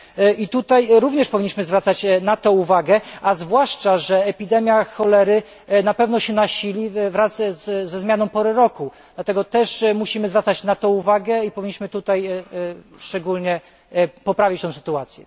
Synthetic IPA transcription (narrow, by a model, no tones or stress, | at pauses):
ʔit̪ut̪ajɾuvɲɛʂpɔvʲiɲːiɕmɘzvɾat̪sat͡ɕnat̪ɔ̃uvaɡɛʔazvwaʂt͡ʂaʐɛːpʲid̪ɛmʲjaxɔlɛɾɘ | napɛvn̪ɔɕɛnaɕilʲivɾazzːɛzmʲjanɔ̃w̃pɔɾɛɾɔku | d̪̥lat̪ɛɡɔt̪ɛʂmuɕimɘzvɾat̪sat͡ɕnat̪ɔ̃uvaɡɛipɔvʲiɲːiɕmɘt̪ut̪aj | ʂt͡ʂɛɡulɲɛ | pɔpɾavʲit͡ɕt̪ɔ̃w̃sɘ̥t̪uat̪sʲjɛ̰